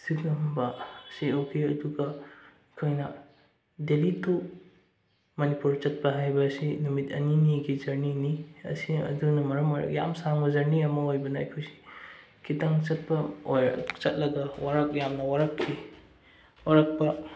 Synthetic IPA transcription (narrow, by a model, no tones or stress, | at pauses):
sikɐmbɐsiokʰiɐduɡɐ | kʰojnɐ | delitʰu | mɐnipuɾt͡ʃɐt̚pɐɦajbɐsinumitɐ̰niniɡizɐɾniniɐ̰siɐ̰dunɐmɐɾɐmojɾɐ̰kja̰msaŋbɐzɐɾniɐmɐojbɐnɐɐ̰jkʰojsi̥ | kʰitaŋt͡ʃɐt̚pɐoj̰t͡ʃɐt̚lɐɡɐwaɾɐk̚jamnɐwaɾɐkʰːi | waɾɐk̚pɐ